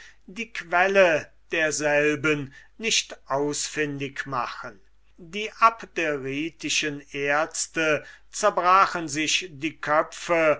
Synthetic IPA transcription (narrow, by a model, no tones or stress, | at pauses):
diːkv̥ɛlə | d̥eːɐzɛlbənːɪʃtʔaʊsfɪndɪkma̰χən | diːʔapdeʁiːtɪʃənʔeːɐt͡stə | t͡sɛɐbʁaːχənzɪʃdiːkʰœpfə